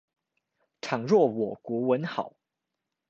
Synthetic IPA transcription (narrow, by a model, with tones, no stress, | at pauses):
ʈ͡ʂʰɑ˨˩ŋɻwɔ˥˩wɔ˨˩kwɔ˧˥wə˧˦nxɑ˨˩˦ʊ